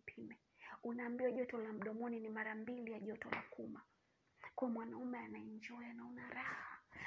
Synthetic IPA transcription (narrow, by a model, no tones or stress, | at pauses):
pʰimɛ | unaːmbiwaʄɔtɔlam̩ɗɔmɔninimaɾambilijaʄɔtɔla̰kuma | kɔɔmwanaumɛanaɛɲd͡ʒɔjanaunaɾahha